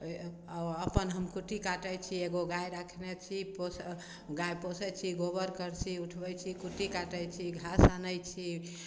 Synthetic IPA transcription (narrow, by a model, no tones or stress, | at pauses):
əpənɦəmkuʈikaʈəjt͡ʃʰieɡoɡajɾakʰnɛt͡ʃʰipos | ɡajposɛt͡ʃʰiɡobəɾkəɾt͡ʃʰiuʈʰbɛjt͡ʃʰikuʈikaʈəjt͡ʃʰiɡʱasanəjt͡ʃʰi